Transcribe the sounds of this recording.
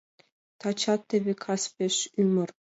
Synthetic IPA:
t̪ɑt͡ɕɑt̪ʲːebʲĕkʰɑspʲeʂymʲɘ̆r

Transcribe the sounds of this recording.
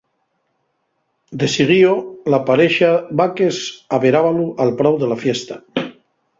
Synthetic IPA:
d̪esiɣ̞iolapaɾeʃaβakesaβeɾaβaluʔalpɾawðelafjest̪a

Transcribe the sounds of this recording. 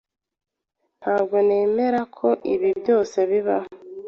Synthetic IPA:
n̥haːbɡo̞ne̞ːme̞ɾakʰo̞ʔiβibjo̞ːse̞βiβaho

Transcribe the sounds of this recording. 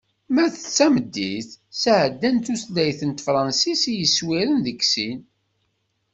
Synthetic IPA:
mæθət͡sːæməd̪ːiθsʕəd̪ːænt̪uslːæjθənt̪fɾˤɑnsisijəswiɾənðəksin

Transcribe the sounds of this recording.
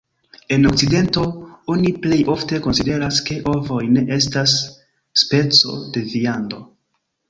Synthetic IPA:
e̞nok̚t͡side̞nto̞o̞niple̞jʔo̞fte̞ko̞nside̞ɾaske̞ʔo̞vo̞jne̞ʔe̞stasː | pe̞t͡so̞̰de̞viando̞

